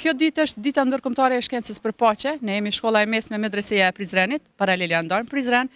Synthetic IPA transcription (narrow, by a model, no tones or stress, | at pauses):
kjɔd̪it̪əʃt̪̚d̪it̪and̪əɾkɔmt̪aɾɛːʃkɛnt͡səspəɾpat͡ɕɛnɛjɛmiʃkɔlˠaɛmɛsmɛmɛd̪ɾɛsijaɛpɾizɾɛnit̪̚paɾalɛland̪aɾmpɾizɾɛn